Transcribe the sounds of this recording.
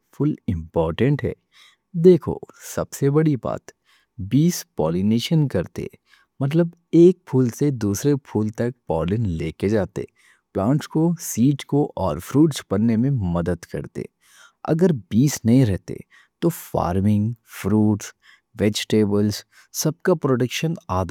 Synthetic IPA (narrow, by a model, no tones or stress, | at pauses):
fʊlɪ̃mpɔːɾʈə̃ɳʈɦɛ̰ː | d̪eːkʰo̰sɐbsebɐɽiba̰ːt̪ | biːspɔːlɪneːʃənkɐɾt̪ḛ | mɐt̪̬ləb | eːk̚pʰuːlsed̪uːsɾepʰuːlt̪ɐk̚pɔːlɪnleːked͡ʒaːt̪ḛ | plãːɳʈskosiːʈkoʔɔːɾfɾuːʈspɐnːemẽmɐd̪əd̪kɐ̰ɾt̪ḛ | ɐ̰ɡəɾbiːsnɐɦĩɾɛɦt̪ḛ | t̪ofa̰ːɾmɪ̃ŋɡfɾuːʈs | ʋeːd͡ʒʈeːbəlz | sɐb̚kapɾoːʈəkʃənaːd̪a